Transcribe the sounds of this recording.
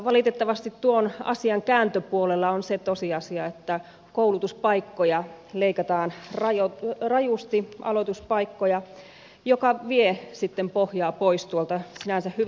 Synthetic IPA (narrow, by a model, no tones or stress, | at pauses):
ʋɑlit̪et̪ːɑʋɑst̪it̪t̪uonɑ̰siɑŋkæːnt̪øpuolelːɑonset̪osiɑsiɑet̪ːæ | koulut̪uspɑikːojɑ | leikɑt̪ɑːnrɑjorɑjust̪iʔɑ̰lot̪uspɑikːojɑ | jokɑʋiesit̪ːempohjɑːpoist̪uolt̪ɑsinænsæhhy